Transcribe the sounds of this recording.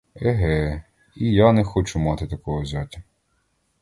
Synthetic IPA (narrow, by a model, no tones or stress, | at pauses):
ɛɦɛ | ijanɛxɔt͡ʃʊmɑt̪ɪt̪ɐkɔɦɔzʲatʲɐ